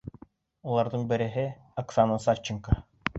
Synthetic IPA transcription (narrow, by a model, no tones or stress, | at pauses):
ulˠɑɾd̪ɤɴbɘ̆ɾɘ̆ɦɘ | aksanəsat͡ɕːɪŋka